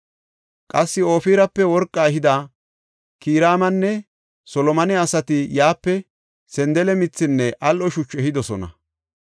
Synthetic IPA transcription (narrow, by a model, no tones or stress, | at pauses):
kʼɐsːɪo̞ːfiːɾɐpːɛwɔɾkʼːaɦɪd̪a | kiːɾaːmɐnːɛ | sɔlɔmɐnɛɐsɐt̪ɪjaːpːɛ | sɛnd̪ɛlɛmɪt͡sːɪnːɛʔɐlʔɔʃʊt͡ʃːɛhɪd̪ɔsɔnɐ̰